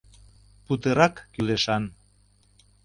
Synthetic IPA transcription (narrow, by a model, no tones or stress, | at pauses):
put̪eɾɑkːyleʃɑn